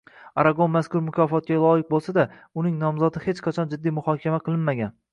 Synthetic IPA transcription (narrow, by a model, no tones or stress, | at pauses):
aɾaɡonmaskʊɾmʊkʲʰɒfɒt̪̚kʲalˠɒjɪq̚bolˠsad̪a | ʊnɪŋnɒmzɒd̪ɪhe̞t͡ʃqʰɑt͡ʃʰɒnd͡ʒɪd̪ːijmʊhɒkʲʰamaqʰɨlˠɪnmaɡʲan